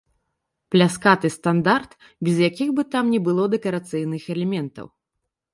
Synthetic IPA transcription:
plʲaskat̪ɨst̪and̪art̪ | bʲɛzjakʲiɣbɨt̪amnʲɛbɨlˠɔd̪ɛkɐɾat̪sɨjnɨxɛlʲɛmʲɛnt̪ɐ̰w

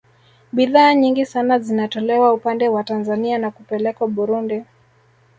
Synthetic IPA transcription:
ɓiðaːɲiŋɡisanazinatɔlɛwaupandɛwatanzanianakupɛlɛkwaɓuɾundi

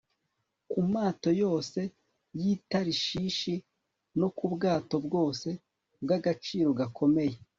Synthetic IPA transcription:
kumaːto̞jo̞ːse̞ | jitaɾiʃiːʃi | no̞kubɡaːto̞bɡo̞ːse̞ | b̚ɡaɡat͡ʃiːɾo̞ɡakʰo̞me̞je̞

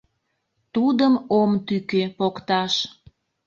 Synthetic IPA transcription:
t̪ud̪əmomt̪ykepokt̪ɑʃ

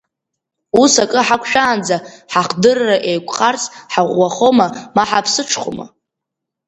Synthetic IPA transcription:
usakʼɨħakʷʰʃᶣaːnd͡zaħaχdɨrːaʔejkʷʰʼχʼart͡sʼħaʁʷːaχo̞mamaħapʰsɨʈ͡ʂʰχʷo̰ma̰

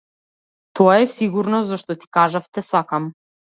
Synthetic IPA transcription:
t̪ɔaɛsiɡuɾnɔzzɔʃt̪ɔt̪i̥kaʒaft̪ɛsakam

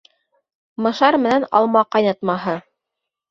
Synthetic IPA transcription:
mɤ̆ʃɑɾmɘ̆nænɑ̰lˠmɑqɑjnɑt̪mɑɦɤ

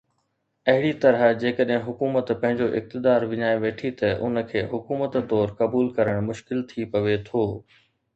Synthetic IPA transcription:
ɐɦɪɽit̪ɐɾəɦd͡ʑeːkəɗɦɪ̃ɦʊkuːmət̪pɐ̃ɦɪ̃ɲd͡ʑoʔɪ̰k̚t̪ɪd̪aːɾʋɪɲaːeʋeːʈʰit̪ɐʔʊ̰nə̆kʰeːɦʊkuːmət̪t̪ːɔːɾkɐbuːlkɐɾəɽ̃mʊʃkɪlt̪ʰipɐʋet̪ʰoː

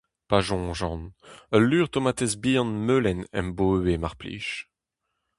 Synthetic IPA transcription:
paʒɔ̃ːʒɑ̃nəlːyːʁt̪omat̪ezbiːɑ̃nmøːlɛnɛ̰mboːemaʁplḭːʃ

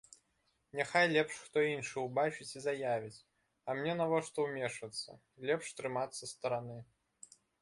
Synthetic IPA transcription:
nʲɛxajlʲɛpʂxt̪ɔinʂɨwbat͡ʃɨt͡sʲizajavʲit͡sʲ | ɐmnʲɛnavɔʂt̪ɔwmʲɛʂɐt̪sːɐ̰ | lʲɛpʂt̪ɾɨmat̪sːɐst̪ɐɾanɨ

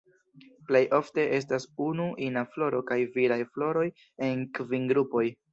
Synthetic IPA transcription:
ple̞jʔo̞fte̞ʔe̞s̬tasunuʔinaflo̞ɾo̞kajviɾajflo̞ɾo̞j | e̞nkvinɡɾupo̞j

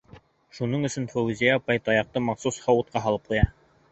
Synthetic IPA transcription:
ʃunɤɴɵ̆sɵnfowuzʲijapɑjt̪ɑjɑq̚t̪ɤmɑqsushɑwut̪̚qɑɦɑlˠɤp̚qŭjɑ

